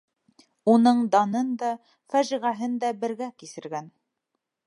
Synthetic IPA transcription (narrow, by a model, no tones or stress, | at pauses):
unɤɴd̪ɑnɤnd̪ɑ | fæʒiʁæɦɘnd̪æbɘ̆ɾɡækisɘ̆ɾɡæn